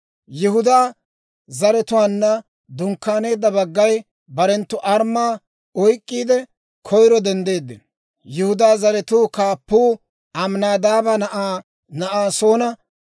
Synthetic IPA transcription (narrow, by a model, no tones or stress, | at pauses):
jɪhʊd̪aː | zɐɾɛt̪ʊwaːnːɐ | d̪ʊŋkːaːne̞ːd̪ːɐbɐɡːɐj | bɐɾɛnt̪ːʊʔɐɾmaː | ɔjkʼːiːd̪ɛ | kʰɔjɾɔd̪ɛnd̪e̞ːd̪ːɪ | jʊhʊd̪aːzɐɾɛt̪uːkaːpːuː | ɐmnaːd̪aːbɐn | nɐʔaːsoːnɐ